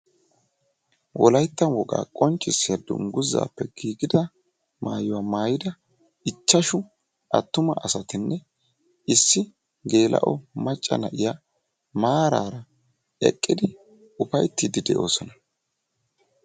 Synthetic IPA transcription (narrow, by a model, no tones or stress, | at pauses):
wʔɔlɐjt̪ːɐnwɔɡa̰ːkʼɔnt͡ʃʼːɪsːɪjɐd̪ʊ̰ŋɡʊzːa̰ːpːɛɡiːɡɪd̪ɐ | ma̰ːjʊwaːmaːjɪd̪ɐ | ɪt͡ʃːɐʃʊ | ʔɐt̪ːʊmɐʔɐsɐt̪ɪnːɛ | ɪsːɪ | ɡe̞ːlʔɐ̰ʔɔmɐt͡ʃʼːɐ̰nɐʔɪja | maːɾaːɾɐ | ɛ̰kʼːɪd̪ɪ | ʊpɐjt̪ːid̪ɪd̪ɛʔo̞ːsɔnɐ